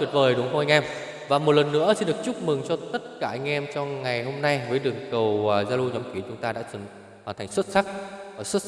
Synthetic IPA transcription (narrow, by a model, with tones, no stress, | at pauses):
i˨˩t̚vəː˨˩jɗʊ˨˦ŋɦo˧ʔa˧ŋ̟ʔɛ˧m | vaː˨˩mo˨˩t̚lə˨˩nːɨ̰˧˥əsi˧nɗɨ˨˩ək̚t͡ɕʊ˦˥k͡p̚mɨ˨˩ŋt͡ɕɔ˧t̪ə˦˥t̚kaː˧˩ʔa˧jŋ̟ʔɛ˧mt͡ɕɔ˧ŋa˨˩jɦo˧mna˧jvəː˨˦jɗɨ˨˩əŋkə˨˩wːzaː˧lu˧ɲɔ˨˦mki˨˦t͡ɕʊ˨˦ŋ͡mt̪aː˧a̰ː˧˥sə˨˧˦ | hwaː˨˩nt̪ʰa˨˩jŋ̟swə˦˥t̚sa˦˥k̚aː˨˩swə˦˥t̚